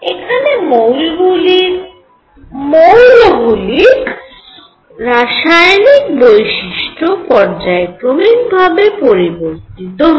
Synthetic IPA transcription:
ekʰanemowlɡuli | mowlɡulik | ɾaʃajnik̚bojʃiʃʈopɔɾd͡ʑaekɾomik̚bʱabepoɾiboɾt̪it̪oɦ

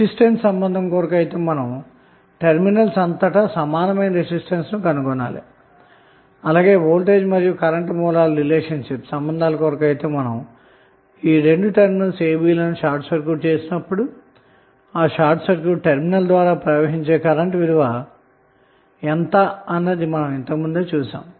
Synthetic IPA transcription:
isʈenssɐmbɐnd̪ʱɐmkɔːɾɐkɐjt̪e̞ːmɐnɐm | ʈeɾminɐlsɐnt̪ɐʈɐsɐmaːnɐmɐjnɐɾesisʈɐnsnukɐnukɔnːa̰ːlḭ | ɐlaːɡe̞ːʋoːlʈe̞ːd͡ʒmɐɾijukɐɾɐɳʈmɔːlaːlɐɾileːʂɐnʂipsɐmbɐnd̪ʱaːlɐkɔːɾɐkɐjt̪e̞ːmɐnɐm | iːɾe̞ɳɖuʈeɾminɐlseːbiːlɐnuʂaːɾʈsɐɾkuːʈ̚t͡ʃeːsinɐpːuɽu | aːʂaːɾʈsɐɾkjuːʈ̚ːʈeɾminɐld̪ʋaːɾaːpɾɐʋeɦiɲt͡ʃe̞ːkɐɾɐɳʈʋiɾuʋaː | ɛnt̪ɐɐnːeːd̪imɐnɐment̪ɐkmund̪eːt͡ʃuːsa̰ːm

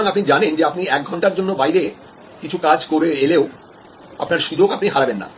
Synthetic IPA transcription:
ŋapnid͡ʑanend͡ʑeapniɛk̚ɡʱɔɳʈaɾd͡ʑonːobajɾe | kit͡ɕʰukad͡ʑkoɾeeleo | a̰pnaɾʃud̪okapniɦaɾabenːa̰

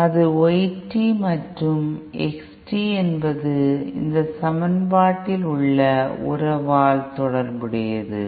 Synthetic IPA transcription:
ɐðɯɔjɪʈːimɐʈrɯmɛksʈiɛnbɐðɯɪ̰nd̪ɐsɐmɐnbaːʈːɪlʊɭːɐʊ̰ɾɐʋaːlt̪ɔɽɐɾbɪɽɪjɐðɯ̰

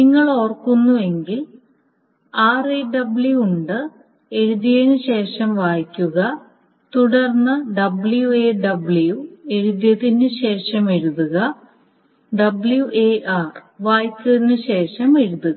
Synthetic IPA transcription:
niŋːɐɭo̞ːrkːunːue̞ŋɡil | aːreɖɐbɭjuuɳɖɨ | e̞ɻuðjɐjenɨɕe̞ːʂɐmʋaːjkʲːuɣɐ | t̪uɽɐrnːɐɖɐbɭjueːɖɐbɭujue̞ɻuðjɐðinɨɕe̞ːʂɐmeɻuðuɣɐ | ɖɐbɭjuʔeːʔaːrʋaːjkːɐðinɨɕe̞ːʂɐme̞ɻuðuɣɐ

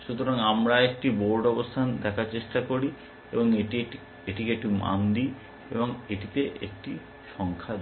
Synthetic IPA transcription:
ʃut̪oɾaŋamɾaek̚ʈiboɾɖɔbost̪ʰand̪ɛkʰaɾt͡ɕeʃʈakoɾi | eboŋei | eʈikek̚ʈima̰nd̪i | ḛboŋeʈit̪eʔḛk̚ʈi | ʃɔŋkʰad̪

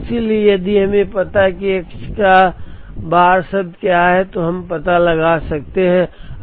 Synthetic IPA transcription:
siliejɐd̪iɦɐmẽpɐt̪aɦkiekt͡ʃka | baːɾsəb̚d̪kjaɦɛt̪oɦɐmpɐt̪alɐɡasɐk̚t̪eɦɛ̃

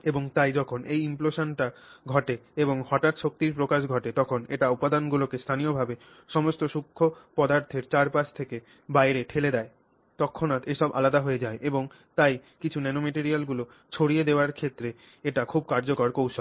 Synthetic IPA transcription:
eboŋt̪ajd͡ʑɔkʰonʔejimploʃanʈaɡʱɔʈeeboŋhɔʈat̪ʃok̚t̪iɾpɾokaʃɡʱɔʈet̪ɔkʰoneʈaupad̪anɡulokest̪ʰanijobʱabe | ʃɔmost̪oʃukʰːopɔd̪aɾt̪ʰeɾt͡ɕaɾpasʰt̪ʰeke | bajɾeʈʰeled̪ɛe | t̪ɔkʰːonat̪eʃɔbʔa̰lad̪aɦoed͡ʑaeʔeboŋ | t̪ajkit͡ɕʰunɛnomeʈiɾialɡulo | t͡ɕʰoɽijed̪eoaɾkʰet̪ːɾe | eʈakʰub̚kaɾd͡ʑokoɾkowʃo

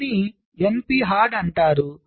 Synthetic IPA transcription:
ni | empiːɦaːɾɖɐɳʈaːɾu

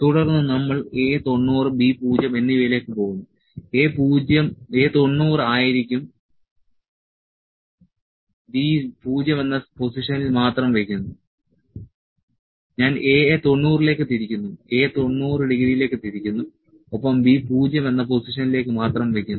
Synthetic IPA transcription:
t̪uɽɐrnːɨnɐmːɐɭeːt̪oɳːuːrɨbipuːd͡ʑɐme̞nːiʋejle̞ːkːɨpo̞ːɣunːu | eːpuːd͡ʑjɐme̞ːt̪o̞ɳːuːrɨaːjiɾikʲːum | bipuːd͡ʑɐmʋenːɐpo̞siʂɐnilmaːt̪rɐmʋekʲːunːu | ɲaːneːt̪o̞ɳːuːrile̞ːkːɨt̪iɾikʲːunːue̞ːt̪o̞ɳːuːrɨɖiɣɐɾijile̞ːkːɨt̪iɾikʲːunːu | opːɐmbiːpuːd͡ʑɐmenːɐpo̞siʂɐnile̞ːkːɨmaːt̪rɐmʋekʲːunː

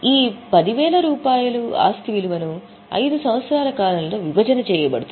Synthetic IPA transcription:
iːpɐd̪iʋɛːlɐɾuːpaːjulua̰ːst̪ʰiʋiluʋɐnu | ɐ̰jd̪usɐmʋɐt̪sɐɾaːlɐkaːɾɐnlːo̞ːʋibʱɐd͡ʒɐnɐt͡ʃɛːjɐbɐɽut̪

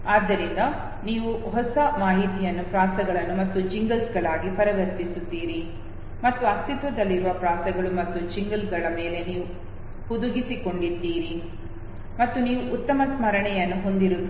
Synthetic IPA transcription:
aːd̪ːɐɾind̪ɐ | niːʋuɦɔsɐmaːɦit̪ijɐnːupɾaːsɐɡɐɭɐnːumɐt̪ːud͡ʒiŋɡɐlsɡɐɭaːɡipɐɾɐʋɐɾt̪isud̪ːiːɾi | mɐt̪ːuɐst̪it̪ʋɐd̪ɐlːiɾuʋɐpɾaːsɐɡɐɭumɐt̪ːud͡ʒiŋɡɐlɡɐɭɐmeːle̞niːʋu | pud̪uɡisiko̞ɳɖid̪ːiːɾi | mɐt̪ːuniːʋuʔːt̪ːɐmɐsmɐɾɐɳɛjɐnːuɦo̞nd̪iɾu

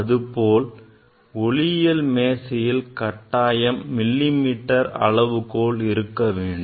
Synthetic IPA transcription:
ɐðɯpoːl | ɔɭɪjɐlmeːsɪjɪlkɐʈːaːjɐmːɪlːimiːʈːɐɾɐ̰ɭɐʋɯkoːɭɪɾɯkːɐʋeːɳɖ

